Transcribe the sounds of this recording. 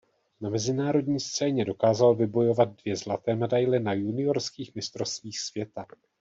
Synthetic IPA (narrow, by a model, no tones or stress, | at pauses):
namɛzɪnaːɾo̞dɲiːst̪t͡sɛːɲɛdo̞kaːzalvɪbo̞jo̞vad̪̚dvjɛzlat̪ɛːmɛdajlɛnajunɪo̞ɾskiːxmɪst̪ɾo̞st̪viːxsvjɛt̪a